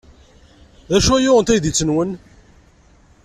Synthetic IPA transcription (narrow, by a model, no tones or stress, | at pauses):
ðæʃuæjʊʁənt̪æjðit͡sːənwən